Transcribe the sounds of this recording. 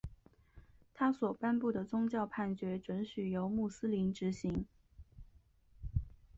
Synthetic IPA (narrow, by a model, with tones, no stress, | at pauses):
t̪ʰa˥swɔ˨˩pa˥npu˥˩d̪ə˩t͡sʊ˥ŋt͡ɕjɑ˥˧ʊpʰa˥˩nt͡ɕɥɛ˧˥ʈ͡ʂwə˧˥nɕy˨˩jo˧˥ʊmu˥˩sɹ̩˥li˧˥nʈ͡ʂɻ̩˧˥ɕi˧˥ŋ